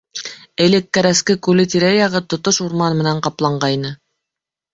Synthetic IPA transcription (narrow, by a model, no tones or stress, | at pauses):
ɘ̆lɘkːæɾæskɘkʉlɘt̪iɾæjɑʁɤt̪ŏt̪oʃuɾmɑnmɘ̆næɴqɑplˠɑɴɢɑjnɤ